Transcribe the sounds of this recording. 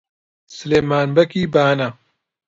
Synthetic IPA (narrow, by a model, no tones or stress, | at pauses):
sɨleːmaːnbɐkiːbaːnɐ